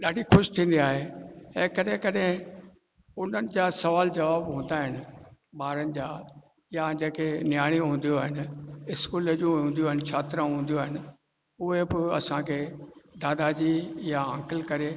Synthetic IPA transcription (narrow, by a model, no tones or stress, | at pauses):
ɗaːɖʱixʊʃt̪ʰĩːn̆d̪iaːɦeɛ̃ːkɐɗẽkɐɗɦɪ̃ | ʊn̤ənɪ̆d͡ʑaːsɐʋaːld͡ʑɐʋaːbɦũːn̆d̪aːɦɪnɪ̆ɓaːɾənɪ̆d͡ʑaː | jad͡ʑeːkenjaːɽ̃ĩɦũːn̆d̪ijoːɦɪn̆ɪskuːləd͡ʑũɦũːnd̪ijoaːɦɪnt͡ɕʰaːt̪ɾəɦũːn̆d̪ijoaːɦɪnɪ̆ | ʊɦebɪɐ̰sãkʰeːd̪aːd̪ad͡ʑijaə̃ːkɪlkɐɾe